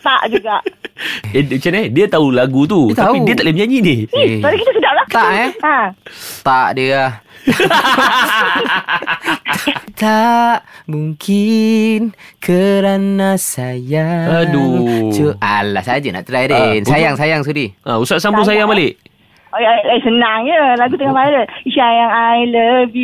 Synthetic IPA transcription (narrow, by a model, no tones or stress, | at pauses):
t̪aʔd͡ʒuɡaʔeət͡ʃanediət̪aulaɡut̪̬ut̪aiudiət̪aʔləməɲaɲinialakit̪asudaʔlaht̪aʔaat̪aʔdiəah | t̪aʔmuŋkʰinkʰəɾanasajaadut͡ʃuʔalːa̰sad͡ʒana̰ʔt̪əɾajdinsajaŋsajaŋs̬udiãusaʔ̚sambus̬ajaŋmalɪʔ | aasənaŋjəlaɡut̪̬əŋamaɛləiʃajaŋajləbi